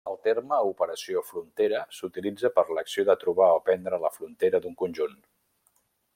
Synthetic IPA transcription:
əlˠt̪erməupəɾəsiofɾunt̪eɾəsut̪ilid͡zəpəɾləksioðət̪ɾuβaopɛnd̪ɾələfɾunt̪eɾəd̪uŋkunʲʒun

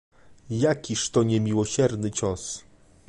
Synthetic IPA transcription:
jakʲiʂt̪ɔɲɛmʲiwɔɕɛɾnɘt͡ɕɔs

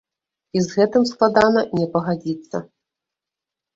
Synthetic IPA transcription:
izɣɛt̪ɨmsklˠad̪anɐnʲɛpɐɣad͡zʲit̪sːɐ̰

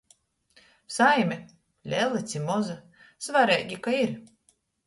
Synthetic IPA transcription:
sajmʲɛ | lʲɛlˠːɨt̪sʲimɔza | svaɾʲɛjɡʲikaiɾ

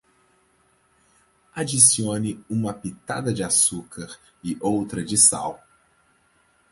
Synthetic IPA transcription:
ad͡ʒisiõnɪũmɐpit̪a̰d̪ɐd͡ʒɪasukɐɾ | ɪʔowt̪ɾɐd͡ʒɪsa̰w

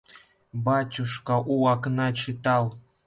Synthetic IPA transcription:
bɑtʲuʃkɑʔuwɑknɑt͡ɕit̪ɑlˠ

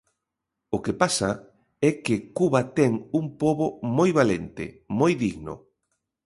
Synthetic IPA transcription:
ʊkepasa | ɛkɪkuβat̪ɛŋuŋpoβomojβalent̪ɪ̰ | mojðiɣno̰

